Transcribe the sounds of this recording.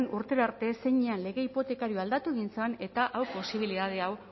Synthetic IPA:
nuɾt̪e̞ɾaɾt̪e̞se̞ɲeanle̞ɣe̞ipo̞t̪e̞kaɾioald̪at̪uɣinsane̞t̪aʔawpo̞siβ̞iliðað̞e̞aw

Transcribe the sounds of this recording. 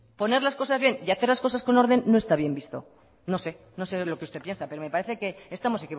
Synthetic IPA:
po̞ne̞ɾlasko̞sazβjeniaθe̞ɾlasko̞sasko̞no̞ɾð̞e̞nːo̞e̞st̪aβje̞mbist̪o̞̰ | no̞se̞ | no̞se̞lo̞keust̪e̞pje̞nsapeɾo̞me̞paɾeθe̞ke̞ːst̪amo̞se̞kiβ

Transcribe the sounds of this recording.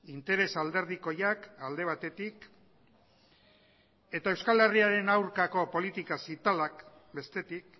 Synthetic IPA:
int̪e̞ɾe̞sald̪e̞ɾð̞iko̞jakald̪e̞β̞at̪e̞t̪ik | e̞t̪ae̞wskale̞riaɾe̞nawɾkako̞po̞lit̪ikasit̪alak | be̞st̪e̞t̪ik̚

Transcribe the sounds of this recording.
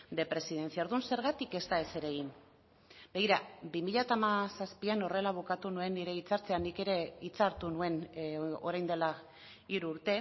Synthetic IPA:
d̪e̞pɾe̞siðe̞nt͡siaoɾðunse̞ɾɣat̪ike̞st̪ae̞se̞ɾe̞ɣin | be̞ɣiɾabimiʎat̪aːmasaspiano̞re̞laβ̞ukat̪unue̞nːiɾe̞it͡saɾt͡seanike̞ɾe̞it͡saɾt̪unue̞no̞̰ɾajnd̪e̞la | iɾuːɾt̪e̞

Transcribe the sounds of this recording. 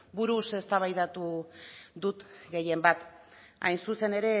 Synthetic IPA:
buɾuse̞st̪aβajðat̪u | ðut̪ɡe̞je̞mbat̪ | a̰jnsuse̞ne̞ɾe̞

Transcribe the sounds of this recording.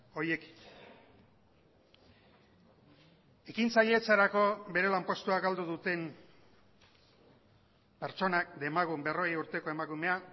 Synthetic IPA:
o̞je̞ki̥ | e̞kint͡saʎe̞t͡saɾako̞βe̞ɾe̞lampo̞st̪uaɡald̪uð̞ut̪e̞m | pe̞ɾt͡ʃo̞nakd̪e̞maɣumbero̞juɾt̪e̞ko̞e̞makume̞a

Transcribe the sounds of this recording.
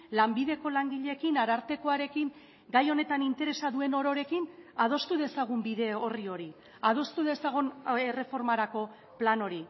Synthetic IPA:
lambiðe̞ko̞laŋɡiʎe̞kinaɾaɾt̪e̞ko̞aɾe̞kiŋ | ɡajo̞ne̞t̪anint̪e̞ɾe̞saðue̞no̞ɾo̞ɾe̞kinaðo̞st̪uðe̞saɣ̞umbiðe̞o̞rio̞ɾi | að̞o̞st̪uðe̞saɣ̞unere̞fo̞ɾmaɾako̞ | plano̞ɾi

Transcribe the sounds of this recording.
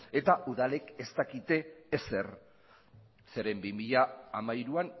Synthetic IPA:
e̞t̪aʔuðale̞ke̞st̪akit̪e̞ːse̞r | seɾe̞mbimiʎaːmajɾuan

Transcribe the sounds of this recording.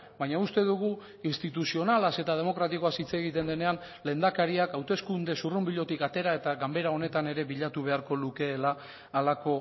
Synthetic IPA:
bajɲaust̪e̞ðuɣ̞u | inst̪it̪usio̞nalase̞t̪að̞e̞mo̞kɾat̪iko̞asit͡se̞ɣ̞it̪e̞nd̪e̞ne̞an | le̞nd̪akaɾiakawt̪e̞skund̪e̞surumbiʎo̞t̪ikat̪e̞ɾae̞t̪aɣambe̞ɾao̞ne̞t̪ane̞ɾe̞βiʎat̪uβ̞e̞aɾko̞luke̞ːlaː | lako̞

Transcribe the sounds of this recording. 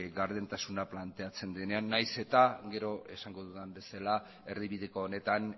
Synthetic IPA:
ɡaɾðent̪asunaplant̪e̞at͡se̞nd̪ene̞anːajse̞t̪aɡe̞ɾo̞e̞saŋɡo̞ðuðambe̞sala | e̞rðiβiðekoːne̞t̪an

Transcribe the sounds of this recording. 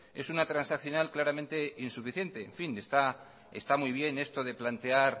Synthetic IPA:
e̞sunat̪ɾansakθjo̞nalklaɾament̪e̞insufiθje̞nt̪e̞̰ːɱfinest̪a | ḛst̪amujβ̞je̞ne̞st̪o̞ðe̞plant̪e̞aɾ

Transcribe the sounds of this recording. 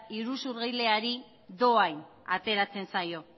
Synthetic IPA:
iɾusuɾɣijle̞aɾi | ðo̞ajn | a̰t̪e̞ɾat͡se̞nsajo̞

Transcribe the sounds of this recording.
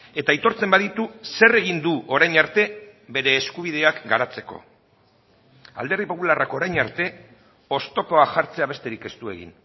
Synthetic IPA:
e̞t̪ait̪o̞ɾt͡se̞mbaðit̪use̞re̞ɣ̞ind̪uo̞ɾajɲaɾt̪e̞be̞ɾe̞ːskuβ̞ið̞e̞akɡaɾat͡se̞ko̞̰ | a̰ld̪e̞rðipo̞pularako̞ɾajɲaɾt̪e̞ | o̞st̪o̞po̞aʝaɾt͡se̞aβ̞e̞st̪e̞ɾike̞st̪ue̞̰ɣḭn

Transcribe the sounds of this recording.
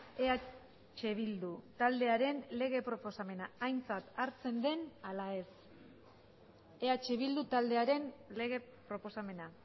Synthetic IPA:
ea | t͡ʃe̞βild̪ut̪ald̪e̞aɾe̞nle̞ɣ̞e̞pɾo̞po̞same̞naajnt͡sat̪aɾt͡se̞nd̪e̞nalae̞s | e̞at͡ʃe̞β̞ild̪ut̪ald̪e̞aɾe̞nle̞ɣ̞e̞pɾo̞po̞same̞na

